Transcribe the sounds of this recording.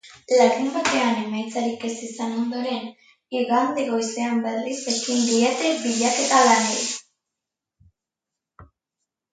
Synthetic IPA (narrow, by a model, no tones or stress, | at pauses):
laɾumbat̪e̞ane̞majt͡saɾikesisano̞nd̪o̞ɾe̞n | iɣand̪eɣo̞jse̞amberise̞kind̪iet̪e̞biʎake̞t̪alanej